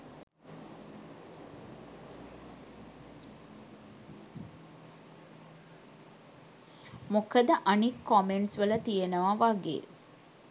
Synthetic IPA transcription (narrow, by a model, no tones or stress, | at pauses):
mokəd̪əʔanikːɔmeɳʈsʋələt̪ijenəʋaʋaɡḛː